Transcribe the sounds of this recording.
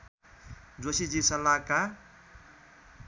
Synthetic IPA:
d͡zosid͡zisʌlaka

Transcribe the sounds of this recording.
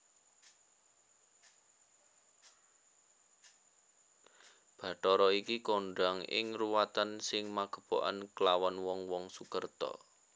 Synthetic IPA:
b̥ä̤ʈɔɾɔikikoɳɖaŋɪ̰ŋruwat̪ansɪŋmaɡ̥ə̤b̥oʔa̰nkəlawanwɔŋwɔŋsukərt̪ɔ̰

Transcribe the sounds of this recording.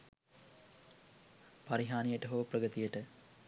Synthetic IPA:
pɐɾiɦaːnijəʈəɦoʋɐprɐɡət̪ijəʈə

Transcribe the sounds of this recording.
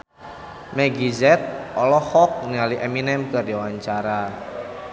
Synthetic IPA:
mɛɡizɛt̪̚ɔlɔhɔk̚ŋaliʔɛminɛmkərdiwaɲt͡ʃaɾa

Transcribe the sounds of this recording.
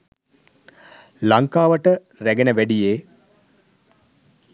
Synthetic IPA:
laŋkaːʋəʈə | ræɡenəʋæɖijeː

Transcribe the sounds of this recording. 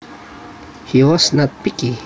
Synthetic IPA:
hiwɔsnat̚pɪki

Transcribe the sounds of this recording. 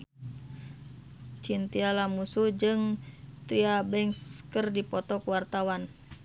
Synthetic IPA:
t͡ʃint̪ialamusud͡ʒɨŋt̪ɾiabɛŋskərdipɔt̪ɔkwart̪awan

